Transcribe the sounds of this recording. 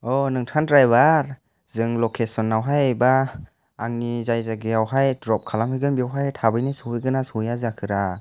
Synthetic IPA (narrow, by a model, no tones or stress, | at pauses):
ɔnɯŋtʰandɾajbaɾ | zɯŋlɔkʰesɔnːawɦajbaː | ŋnizajzaɡiawɦajdɾɔp̚kʰalamhɯjɡɯnbiawɦajtʰabɯjnisɔɯjɡɯnasɔjazakʰɯɾa